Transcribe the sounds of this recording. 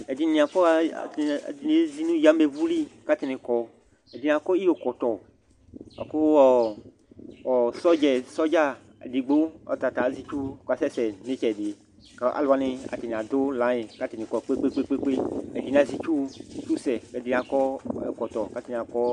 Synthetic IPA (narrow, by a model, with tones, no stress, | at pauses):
ɛ˨di˧nĩ˧˨a˨fɔ̰˦˨˧di˨ne˨˦zi˦nũ˦ja˦me˧vu˦li˦ka˦ti˧nɪ˨kɔ˨ | ɛ˨di˨n˨ã˨kɔ˦i˦o˨kɔ˨t̪ɔ˨ | a̰˨ko˦ɔ˨ | ɔ˨sɔ˦d͡ʒɛ˨sɔ˦d͡ʒa̰˦˨ | di˨ɡ͡bo˦ɔ̰˨ta˨ta˨˦zi˧t͡ʃu˦˨ka˨sɛ˦sɛ˨ne˦t͡ʃɛ˨di˨ | ka˨˦ʔa̰˨la˨˦nɪ˧a̰˨ti˨n˨a˨do˦lã˨˦je˨ka˦ti˨nĩ˨kɔ˨k͡pe˦k͡pe˦k͡pe˦k͡pe˦k͡pe˦ɛ˨di˨nĩ˨ã˨zi˧t͡ʃu˦si˨˦t͡ʃu˦sɛ˨kɛ˨di˧nã˨kɔ˦ɛ̰˨kɔ˨t̪ɔ˨ka˦ti˧nĩ˨a˨kɔ˦